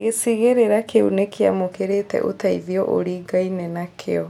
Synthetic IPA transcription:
ɣesiɣeɾeɾakeṵnekʰea̰mokeɾetɛ̰ʔotaiðiɔʔo̰ɾiːɡainɛnakʰeɔ

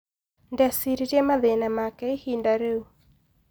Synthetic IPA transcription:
ndɛsiɾiɾemaðenamakɛihindaɾeu

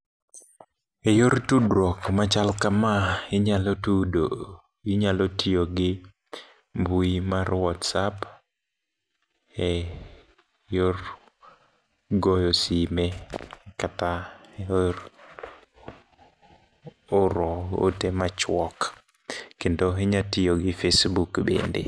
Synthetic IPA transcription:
ejoɾtudɾɔkmat͡ʃalkamaɪɲalotudo | ɪɲalotioɡɪ | mbuimarwɔtsap | e | jor | ɡojosimekata | oɾɔo̰temat͡ʃwɔk | kindɔɦiɲatijoɡifesbukbḛndḭ

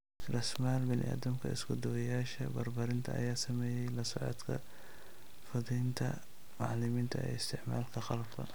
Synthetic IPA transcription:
rɐsmaːlbɪnɪ̰ʔa̰ːd̪ɐmkʰɐ̰ɪ̰sɡɔd̪ɔwɐjaːʃɐbɐrbɐɾɪnt̪ʰɐʔɐ̰jaːsɐmɛːjɛjlɐsɔʕɔ̰d̪kʰɐ̰ | fɐðɛjnt̪ʰɐ̰ | mɑʕlɪmiːnt̪ʰɐɛ̰ɪst̪ʰɪʕma̰ːlkʰɐxɑlɐbkʰɐ̰

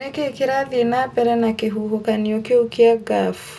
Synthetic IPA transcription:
ɛkɛkiɾaliɛnapɛɾɛnakeɦuɦokaniokeukiaɡaf

